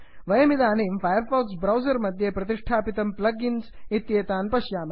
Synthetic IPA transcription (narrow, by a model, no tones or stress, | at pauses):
ʋɐjɐmid̪aːneːmfajɐɾfaːksbɾɐwzɐɾmɐd̪ʱjepɾɐt̪iʂʈʰaːpit̪ɐmplɐɡinsit̪jeːt̪aːnpɐʃjaːmɐ